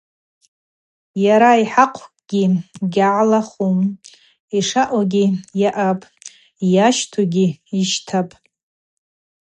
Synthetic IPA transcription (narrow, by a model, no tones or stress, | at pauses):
jaɾaiħaqʷʰkʼɡ̥ʲiɡʲaʕlaχum | iʂaʔoɡʲijaʔapʼ | jaʃtʰuɡʲiiʃtʰapʼ